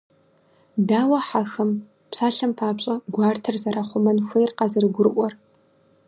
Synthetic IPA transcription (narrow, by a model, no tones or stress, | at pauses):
daːwɐħaxɐm | pɕaːɬɐmpʰaːpɕʼɐɡʷɑːrtʰɨrzɐɾaχʷʊmɐnxʷejrqɑzɨrɨɡʷʊrɨʔʷɔr